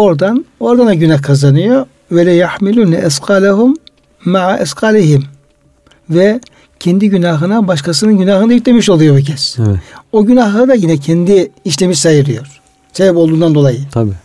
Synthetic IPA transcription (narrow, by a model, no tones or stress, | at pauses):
o̞ɾd̪ano̞ɾd̪anaɟynaxkʰazanɯjoɾ | vɛlʲijaħmilʲuːnaʔɛsqʰaːlʲaɦumː | aʕaʔɛsqʰaːliɦim | vɛ | cʰɛnd̪iɟynaɦɯnabaʃkʰasɯnɯnɟynaːɦɯnd̪ajit̪lʲemiʃolˠujobucʰɛsoɟynaxlˠɯd̪ajinɛcʰɛnd̪iiʃlʲemisajɯɾɯjo̞ɾ̥ | sebɛpo̞lˠd̪uːnd̪and̪o̞lˠajɯt̪ʰbi